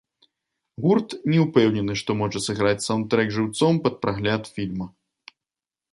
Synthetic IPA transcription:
ɣurt̪nʲɛupɛwnʲɛnɨʂt̪ɔmɔʐɐsɨɣɾat͡sʲsawnt̪ɾɛɡʐɨwt̪sɔmpɐt̪̚pɾaɣlʲat̪fʲilʲmɐ

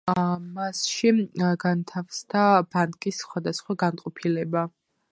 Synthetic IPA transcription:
masʃiɡant̪ʰafsd̪abankʼissχwad̪asχwaɡanqʼɔpʰilɛba

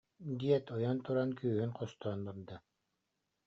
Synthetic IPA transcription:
d̪iɛt̪ɔjɔnt̪uɾankyːhynqɔst̪ɔːnbaɾd̪ɯ

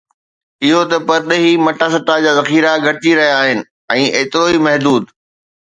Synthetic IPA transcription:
ɪɦot̪ɐpɐɾɗɐɦimɐʈaːs̬ɐt̪ad͡ʑaːzɐxiːɾaɡʱɐtiɾɐɦijaːɦɪnɪ̆ | ɛ̃ːʔeːt̪ɪɾoimɐɦd̪uːd̪

